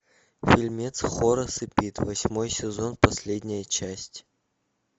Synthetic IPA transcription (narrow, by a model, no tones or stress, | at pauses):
fʲilʲmʲet̪sχoɾəsɨpʲit̪vɐsʲmo̞jsʲɪzo̞npɐsʲlʲedʲnʲɪjət͡ɕæsʲtʲ